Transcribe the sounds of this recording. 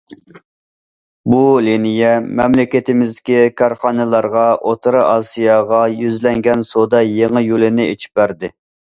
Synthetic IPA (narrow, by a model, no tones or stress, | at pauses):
bulinijɛmɛmlɪkʲɪt̪ʰɪmɪzd̪ɪkʲikʰɑɾχɑnɨlˠɑɾʁɑʔot̪ʰɨɾɨʔɑsijɑʁɑjyzlɛŋɡʲɛnsod̪ɑjeŋɨjulɪnɪet͡ʃʰi̥p̚bæɾd̪ɪ